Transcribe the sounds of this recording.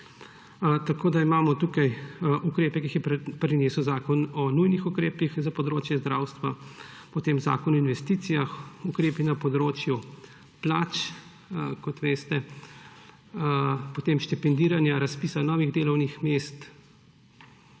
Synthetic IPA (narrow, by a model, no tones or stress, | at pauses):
t̪akoːd̪aimaːmɔt̪ukajʔukɾeːpɛkixjɛpɾɛneːsuwzaːkɔnɔnujnixukɾeːpixzapɔd̪ɾoːt͡ʃjɛzd̪ɾaːwst̪ʋa | pɔt̪eːmza̰ːkɔnɔinʋɛst̪iːt̪sijaxukɾeːpinapɔd̪ɾoːt͡ʃju | plaːt͡ʃ | kɔt̪ʋeːst̪ɛ | pot̪eːmʃt̪ɛpɛnd̪iːɾanjaɾaspiːsanɔːʋiɣd̪eːlɔwnixmest̪